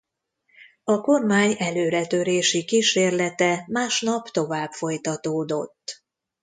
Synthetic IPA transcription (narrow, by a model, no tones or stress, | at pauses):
ɒko̞rmaːɲɛløːɾɛt̪ø̞ɾeːʃikiːʃeːrlɛt̪ɛmaːʃnɒpt̪o̞vaːbfo̞jt̪ɒt̪oːd̪o̞t̪ː